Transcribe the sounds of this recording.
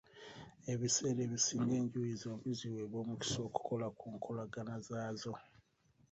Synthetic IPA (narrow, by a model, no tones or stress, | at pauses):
e̞βise̞ːleβisiːŋɡe̞ːɲɟuizoːmbiziweβoːmuci̥so̞ːku̥ko̞lakʰuːŋkʰolaɡanazaːzo̞